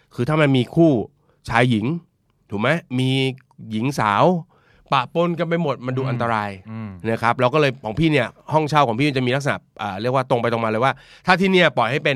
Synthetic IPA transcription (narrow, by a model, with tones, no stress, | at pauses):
kʰɯː˧t̪ʰaː˥˩ma˧nmiː˧kʰuː˥˩ | t͡ɕʰaː˧jːi˩˦ŋ | t̪ʰuː˨˩ma˦˥jmiː˧ | ji˨˩˦ŋsaː˩˦w | pa˨˩ʔpo˧nka˧npa˧jmo˨˩t̪̚ma˧nduː˧ʔa˧nt̪a˧ɾaː˧jna˦˥kʰɾa˦˥p̚laː˦˧˥wk̬ɔ˥˩lɤː˧jkʰɔː˩˦ŋpʰiː˥˩ni˥˩ɐhɔ˥˩ŋt͡ɕʰaː˥˩wkʰɔː˩˦pʰiː˥˩˧t͡ɕa˨˩miː˧a˦˥k̚sa˧na̰˨˩ʔʔaː˨˩ɾi˥˩ək̚waː˥˩t̪o˧ŋpa˧jt̪o˨˧ŋmaː˧ɤː˧jwaː˥˩ | t̪ʰaː˥˩iː˥niː˥˩pɔ˨˩jɦa˥˩jpe˧n